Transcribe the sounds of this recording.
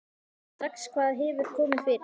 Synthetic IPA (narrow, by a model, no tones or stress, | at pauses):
t̪akskʰvaːðɦɛːvʏɾ̥kʰɔːmɪnfɪɾ